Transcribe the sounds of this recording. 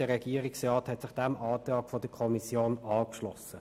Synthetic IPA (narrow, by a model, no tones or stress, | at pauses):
əʁɛɡ̥iːɾɪksʁɑːthɛtsɪχd̥ɛmɑːtʁɑːkfodəkʰɔmisjoːnɑːkʃlɔ̰sə